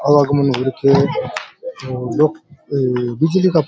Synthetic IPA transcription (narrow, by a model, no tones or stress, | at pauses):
aʋaɡmənɦuɾkʰe | lok | bid͡ʒlikap